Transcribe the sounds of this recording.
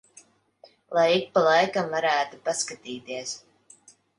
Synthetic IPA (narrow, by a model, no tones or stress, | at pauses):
lˠajik̚palˠajkamvaɾæːt̪upaskat̪iːt̪iɛs